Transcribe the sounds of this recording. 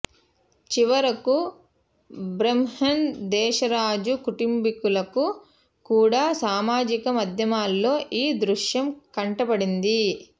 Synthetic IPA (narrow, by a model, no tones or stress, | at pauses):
t͡ʃiʋɐɾɐku | bɾemhɐnd̪ɛːʃɐɾaːd͡ʒukuʈimbikulɐku | kuːɽaːsaːmaːd͡ʒikɐmɐd̪ʱjɐmaːlːo̞ːʔiːd̪ɾuʃjɐmkɐɳʈɐbɐɽind̪i